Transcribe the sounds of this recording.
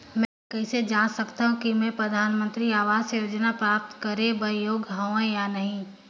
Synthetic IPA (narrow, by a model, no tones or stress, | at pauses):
mɛ̃ːkɛːsed͡ʒaːnsɐkt̪aːɦũkimɛ̃pɾɐd̪ʱaːnmə̃nt̪ɾiaːʋaːzsejoːd͡ʒnapɾaːp̚t̪kɐɾebɐjoːɡɦãjanɐɦĩ